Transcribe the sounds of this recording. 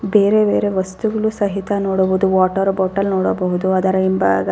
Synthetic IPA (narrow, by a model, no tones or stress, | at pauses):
be̞ːɾebeːɾe̞ʋɐst̪uɡɐɭusɐɦit̪ɐnoːɽɐbod̪uʋaːʈɐɾboːʈɐlnoːɽɐbɐɦud̪uɐd̪ɐɾɐimbaɡɐ